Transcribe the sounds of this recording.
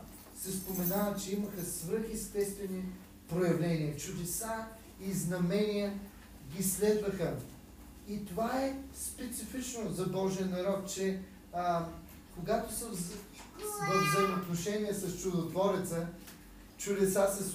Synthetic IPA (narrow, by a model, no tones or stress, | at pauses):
sɛspomɛnavət͡ʃɛiməxəsvɤɾxɛst̪ɛst̪vɛni | pɾojɐvlɛniɐt͡ʃʊd̪ɛsa | iznɐmɛnijə | ɡʲislɛd̪vəxə | it̪ovaɛspɛt̪sifit͡ʃnozɐbɔʒiənɐɾɔt̪̚t͡ʃɛ | koɡat̪osəv | vəvzəjmot̪noʃɛniəsɐst͡ʃud̪ot̪vɔɾɛt̪sə | t͡ʃʊd̪ɛsasɛs